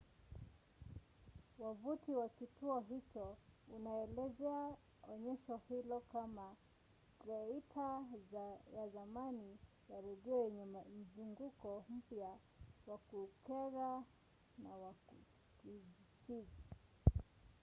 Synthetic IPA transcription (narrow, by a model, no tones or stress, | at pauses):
wavutiwakituɔɦit͡ʃɔunaɛlɛzɛa | ɔɲɛʃɔhilɔkama | ɾɛitʰa | jazamani | jaɾɛɡɛɛɲɛmam̩zuŋɡukɔm̩pja | wakukɛɾa | nawaku | kit͡ʃiza